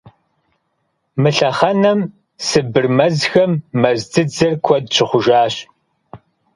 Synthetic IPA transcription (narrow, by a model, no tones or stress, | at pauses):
mɨɬɐχɐnɐm | sɨbɨrmɐzxɐmːɐzd͡zɨd͡zɨrkʷʰɔdɕʰɪχʷʊʒaːɕ